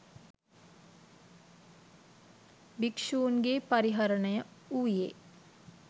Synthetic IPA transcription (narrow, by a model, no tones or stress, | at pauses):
bikʂuːnɡepaɾiɦaɾəɳəjəuːje